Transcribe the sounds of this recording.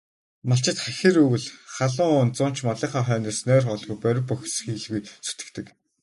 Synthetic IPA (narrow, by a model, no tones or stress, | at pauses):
maɬt͡ɕɪ̆t̪χæxʲiːɾɵwɘ̆ɮχaɮʊːŋʊnt͡sʊn̥t͡ɕmɔɮæːχaːχœːniːsnœːrχɔɮɣujpœɾʲɪ̆pːɔxʲsxiːɮɣujt͡su̥t̪ɘ̆kt̪ɘ̆k